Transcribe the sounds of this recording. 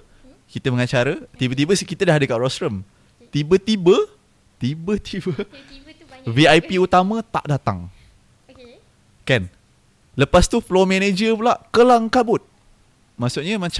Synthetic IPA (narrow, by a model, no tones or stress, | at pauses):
kit̪əməŋat͡ʃaɾət̪ibət̪̬ibəsikit̪ədaɦadəkaʔrɔsɾəm | t̪ibət̪ibə | t̪ibət̪ʰibə | viajpiut̪amə̃t̪a̰ʔdat̪a̰ŋ | kan | ləpast̪uflɔmened͡ʒəpulaʔkəlaŋkabʊt̪̚ | masuʔ̚ɲəmat͡ʃ